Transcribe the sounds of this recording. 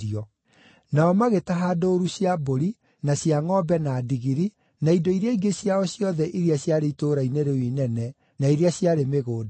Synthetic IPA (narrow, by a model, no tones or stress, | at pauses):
iɔ | naɔmaɣetaɦaːdoːɾuɕjaboɾi | naɕjaŋɔbɛnadiɣiɾi | naidoiɾeaiɡeɕjaɔɕjɔðɛʔiɾiaɕjaɾeitoɾaineɾewinɛnɛ | naiɾeaɕjaɾemeɣoːd